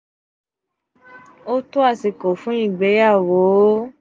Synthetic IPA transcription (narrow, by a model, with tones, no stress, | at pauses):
o˦to˦a˦˨si˨ko˨fũ˦ĩ˦˨ɡ͡be˨˦ja˦˨wo˨˦